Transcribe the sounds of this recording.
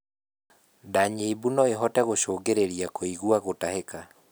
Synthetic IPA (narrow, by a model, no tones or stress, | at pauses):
daɲebunɔeɦɔtɛɣoʃoːɡeɾeɾiakoiɣwaɣotaheka